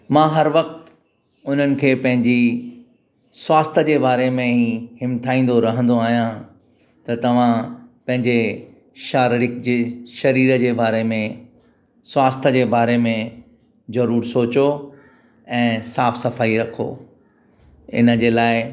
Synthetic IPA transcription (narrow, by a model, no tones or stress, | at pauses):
mãːɦɐɾʋɐq̚t̪ | ʊn̤ənɪ̆kʰeːpɐ̃ɦɪ̃ɲd͡ʑi | swaːst̪ʰəd͡ʑeːbaːɾemẽɦihɪmt̪ʰaːĩːnd̪oɾɐɦə̃n̆d̪oaːɦijã | t̪ɐt̪ɐʋ̤ãpɐ̃ɦɪ̃ɲd͡ʑe | ʃaːɾɾɪk̚d͡ʑeːʃɐɾiːɾəd͡ʑeːbaːɾemẽ | swaːst̪ʰəd͡ʑeːbaːɾemẽ | zɐɾuːɾsoːt͡ɕo | ɛ̃ːsaːfsɐfaːiɾɐkʰo̰ː | ɪ̰nə̆d͡ʑeːlaːɪ